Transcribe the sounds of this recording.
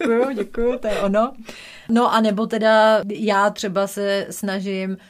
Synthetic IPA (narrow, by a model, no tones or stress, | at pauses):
ujʊɟɛkujʊt̪ojɛʔono | no̞ʔanɛbo̞t̪ɛdajaːt̪r̝̥ɛbasɛsnaʒɪm